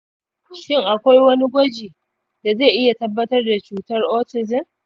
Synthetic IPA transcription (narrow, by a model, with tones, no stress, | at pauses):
ʃɪ˦˨ŋʔa˨kʷa˦jwɐ˦ni˦ɡʷɐ˦d͡ʒiː˨ | da˨zeː˦˨ʔɪ˦ja˨tɐ˦bːɐ˦tɐ˦rda˨t͡ʃuː˦tɐ˦rʔoː˦tɪ˨zɪ˦n